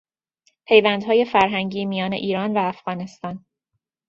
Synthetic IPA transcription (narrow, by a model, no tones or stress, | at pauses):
pʰe̞jvænd̪̥hɒːje̞fæɾɦæŋɟiːmijɒːne̞̰ʔiːɾɒːnvæːfɣ̥ɒːne̞st̪ɒːn